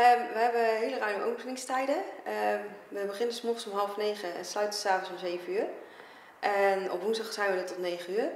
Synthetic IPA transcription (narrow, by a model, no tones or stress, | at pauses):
əʋəɦɛbəɦɪːlərœɥmʔo̰wpənɪŋstɛjdəəʋəbəχɪnənsmɔχənsɔmɦɑlˠfnejχəɛ̰nslœɥtənsaːfənsɔmzeːvəyːr | ʔɛnɔ̰pʋunzdɑχsɛjnʋənətɔtneːχənyːr